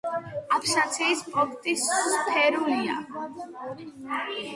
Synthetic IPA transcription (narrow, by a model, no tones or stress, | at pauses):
apʰsat̪sʰiːspʼɔpʰt̪ʼispʰɛɾulia̰